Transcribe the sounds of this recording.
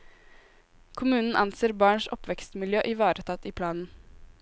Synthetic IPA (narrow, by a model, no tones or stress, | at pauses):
kʰʊmʉːnn̩ʔɑnseːɾbɑːɳʂɔpʋɛkst̪mɪljøːʔɪʋɑːɾət̪ʰɑt̪iːpʰlɑːnn̩